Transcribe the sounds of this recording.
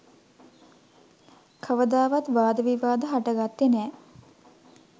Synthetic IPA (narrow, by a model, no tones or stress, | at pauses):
kʰəʋəd̪aːʋat̪ʋaːd̪əʋiʋaːd̪əɦaʈəɡat̪ːenɛː